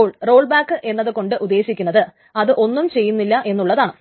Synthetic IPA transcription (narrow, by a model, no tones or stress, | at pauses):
ɭro̞ːɭbaːkːɨʔe̞nːɐðɨko̞ɳɖɨʔud̪ːe̞ːɕikʲːunːɐðɨ | ɐðɨʔo̞nːumt͡ɕe̞jːunːilːɐʔe̞nːuɭːɐðaːɳɨ